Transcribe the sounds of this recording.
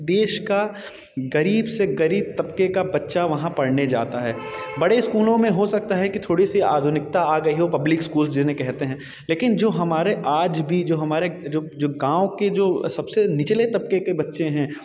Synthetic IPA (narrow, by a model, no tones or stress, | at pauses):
d̪eːʃka | ɡɐɾiːbseɡɐɾiːb̚t̪ɐpkekabɐtːʃaʋɐɦãpɐɽned͡ʒa̰ːt̪aɦɛːbɐɽeskuːlõmẽɦosɐk̚t̪aɦɛkit̪ʰoːɽisia̰ːd̪ʱʊnɪk̚t̪aaːɡɐiɦopɐblɪkskuːls̬d͡ʒɪnẽkɛɦt̪eɦɛ̃ | leːkɪnd͡ʒoːɦɐmaːɾeʔaːd͡ʒbʱid͡ʒoːɦɐmaːɾed͡ʒoːd͡ʒoːɡãːoked͡ʒoːsɐbsenɪt͡ʃlet̪ɐp̚kekebɐtːʃẽɦɛ̃ː